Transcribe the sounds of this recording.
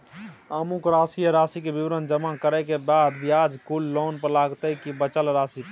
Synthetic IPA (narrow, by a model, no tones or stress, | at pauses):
əmukɾasijəɾasikebiʋɾənd͡ʒəmakəɾɛkebad̪bʱijad͡ʒkulːonpəɾlaɡt̪əkibət͡ʃəlɾasi